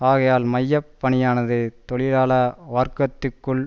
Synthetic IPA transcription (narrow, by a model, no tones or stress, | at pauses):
aːɣɐjaːlmɐjːɐpːɐɳɪjaːnɐðɯt̪ɔɭɪlaːlɐʋaːɾkɐt̪ːɯkːɯɭ